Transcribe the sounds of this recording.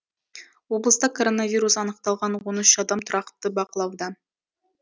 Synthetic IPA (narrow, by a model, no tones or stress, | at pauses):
woblˠəst̪ɑkʰoɾonavʲiɾusɑnəqt̪ɑlˠʁɑnwonəʃɑd̪ɑmt̪ʰʊɾɑqt̪ːəbɑqəlˠɑwd̪ɑ